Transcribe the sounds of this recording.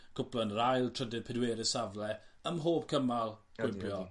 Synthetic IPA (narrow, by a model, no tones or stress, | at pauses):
kʰʊpʰlənrajlˠtʰr̥ədɪ̥pʰɪdweːɾɪsavlɛəmɦoːb̚kʰəmalˠkʰwɪbjɔ